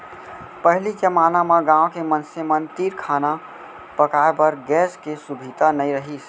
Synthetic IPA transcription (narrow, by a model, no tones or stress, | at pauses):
pəɦlid͡ʒəmanamẽɡãokemənsemənt̪iɾkʰana | pəkaebəɾɡɛskesubʱid̪anəjɾəɦis